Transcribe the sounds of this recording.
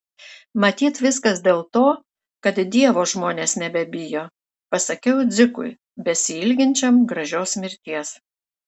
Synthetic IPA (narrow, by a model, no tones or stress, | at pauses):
mɐt̪ʲiːt̪ʋʲɪskɐsd̪ʲeːlˠt̪oː | kɐt̪d̪ʲiɛʋoːʒmoːnʲeːsnʲɛbʲɛbʲɪjoː | pɐsɐkʲɛʊd̪zʲɪkʊ̰ɪ | bʲɛsʲɪɪlʲɡʲɪnʲt͡ʃʲɛmɡɾɐʒʲoːsmʲɪɾʲt̪ʲiɛs